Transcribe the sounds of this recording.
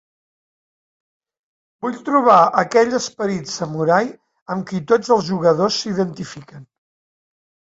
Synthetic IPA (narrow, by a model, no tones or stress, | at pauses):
buʎt̪ɾuβ̞aəkɛʎəspəɾit̪səmuɾaj | əmkit̪od͡zəlˠzʒuɣəðosːiðənt̪ifikən